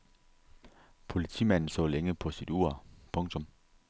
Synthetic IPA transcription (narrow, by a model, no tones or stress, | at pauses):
pʰo̝lit͡sʰḭːmæn̰n̩sɔ̰ːleŋəpʰɒ̽sid̥uɐ̰pʰɔ̽ŋt͡sʰɔ̽m